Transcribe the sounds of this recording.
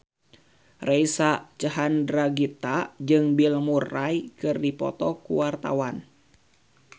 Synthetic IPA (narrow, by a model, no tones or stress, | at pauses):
rejsat͡ʃəɦandɾaɡit̪ad͡ʒɨŋbilmurajkɨrdipɔ̰t̪ɔkṵwart̪a̰wan